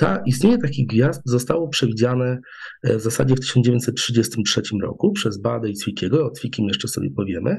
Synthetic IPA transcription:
t̪aist̪ɲeɲɛt̪akʲiɣɡvʲjazd̪̚zɔst̪awɔpʂɛvʲid͡ʑanɛ | vzasa̰d͡ʑɛft̪ɘ̥ɕɔnd͡ʑevj̃ɲt̪ʲsɛt̪tʂɘd͡ʑɛst̪ɘmtʂɛt͡ɕimɾɔ̰kupʂɛzbad̪ɛjt̪sfʲikʲɛɡɔɔt̪fʲikʲimjɛʂt͡ʂɛsɔ̰bʲjɛ̰pɔvʲjɛmɘ

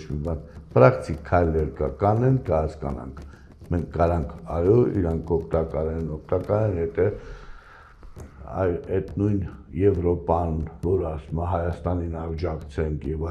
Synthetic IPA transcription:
t͡ʃmibɑnpɾɑkt̪ʰikkʰːɑjlɛɾkɑ̰kɑnɛnkʰəhɑskɑ̰nɑ̰ŋkʰ | mɛŋkʰːɑɾɑŋkʰɑjɔḭɾɑŋkʰɔkʰt̪ɑkɑɾɛnɔkt̪ɑkɑɾɛnjɛt̪ʰɛ | ɑ̰jɛt̪nujnjɛvɾɔpɑnvɔɾɑsumɑɦɑjɑst̪ɑninɑɾd͡ʒɑkt͡sʰɛŋkʰjɛv

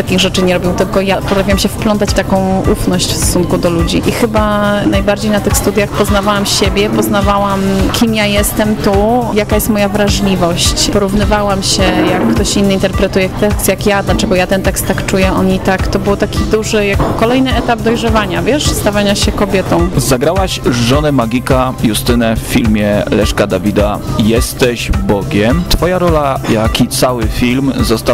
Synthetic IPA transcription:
t̪akʲiɣʐɛt͡ʂɘɲɛɾɔbʲiwt̪ɘlkɔjapɔt̪ɾafʲiwamɕɛfplɔnt̪̬at͡ɕft̪akɔ̃w̃ufnɔɕt͡ɕfst̪ɔ̥sunkud̪ɔlud͡ʑiʔixɘbanajbaɾd͡ʑejnat̪ɘxst̪ud̪ʲjaxpɔznavawamɕebʲjɛpɔznavawamkʲʰimjajɛst̪ɛmt̪ujakajɛst̪mɔjavɾaʐlʲivɔɕt͡ɕpɔɾuvnɘvawamɕɛjakːt̪ɔɕinːɘint̪ɛɾpɾɛt̪ujɛjakt̪ɛkst̪jakjad̪lat͡ʂɛɡɔjat̪ɛnt̪ɛkst̪ːakt͡ʂujɛɔnit̪akt̪ɔbɘwt̪akʲid̪uʐɘjakkɔlɛjnɘɛt̪ab̚d̪ɔjʐɛvaɲavʲjɛʂst̪avaɲaɕɛkɔbʲjɛt̪ɔ̃w̃zaɡɾawaɕʐɔnɛmaɡʲikajust̪ɘnɛfːʲilmʲjɛlɛʂkad̪avʲid̪ajɛst̪ɛʑbɔɡʲɛmt̪fɔjaɾɔlajakʲit̪sawɘfʲilmzɔst̪a

